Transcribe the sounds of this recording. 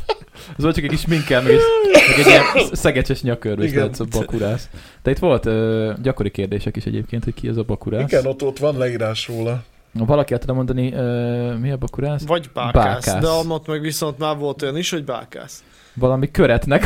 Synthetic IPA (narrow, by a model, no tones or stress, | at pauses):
zolt͡ʃɒkɛkːiʃmiŋkɛːlmɛɡɛmɛɡɛɟiɛnsɛɡɛt͡ʃɛʃɲɒkørʋɛiɡɛt̪zɒbɒkuɾaːs | d̪̥ɛit̪ʋo̞lt̪øːɟɒko̞ɾikeːrd̪eːʃɛkiʃɛ̰ɟḛːp̚keːnt̪ho̞c̚kʰiɛ̰zɒbɒkuɾaːiɡɛnot̪ːot̪ʋɒnlɛiːɾaːʃɾoːlɒ | vɒlɒkiɛlt̪lɛmo̞nd̪ɒniøːmiɒbɒkuɾaːsvɒɟbaːbaaːskaːd̪ɛɒmot̪mɛɡʋiso̞nt̪maːrvo̞lt̪o̞jɒniʃho̞ɟba̰ːka̰ːs | vɒlɒmikøɾɛt̪nɛk